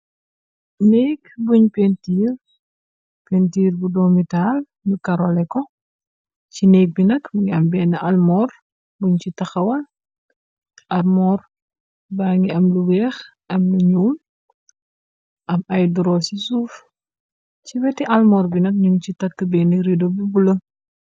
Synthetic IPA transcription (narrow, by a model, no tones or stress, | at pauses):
nekbuɲpentiːr | pentiːɾbudɔmital | bukɐɾolɛkɔ | cinek̚binɐkbuŋiɐmbɛnɐʔɐlmɔːr | buɲcitɐxɐwɐl | ʔɐrmɔːr | baːŋiɐmluwɛːx | ʔɐmluɲuːm | ʔɐmɐjduɾɔsisuːf | cibɛtiʔɐlmɔːɾbinɐk̚ɲumt͡ʃitɐkːəbɛniɾidobibulɐ